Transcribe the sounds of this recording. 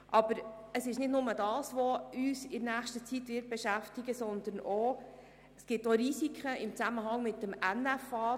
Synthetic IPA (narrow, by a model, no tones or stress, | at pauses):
ʔɑb̥əɾəsɪʃnɪdnʊmədɑːsʋoyːsɪnæːχʃtət͡sitʋɪːɾt̚b̥ɛʃæftɪɡəsɔnd̪əno | sɡ̥ɪtoɾisikʰəɪmt͡sæməɦɑŋmɪtːəmænæfɑː